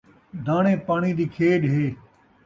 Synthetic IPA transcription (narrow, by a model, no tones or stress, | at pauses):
d̪ʱaːɳẽːpaːɳ̃iːd̪iːkʰeːɗɦeː